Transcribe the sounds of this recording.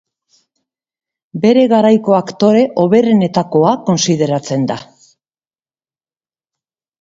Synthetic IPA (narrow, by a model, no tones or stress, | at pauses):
be̞ɾe̞ɣaɾajko̞akt̪o̞ɾe̞ʔo̞βe̞rene̞t̪ako̞ako̞nsið̞e̞ɾat͡se̞nd̪a